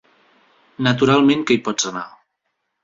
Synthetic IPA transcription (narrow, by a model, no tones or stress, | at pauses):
nət̪uɾalˠmẽŋkejpɔd͡zəna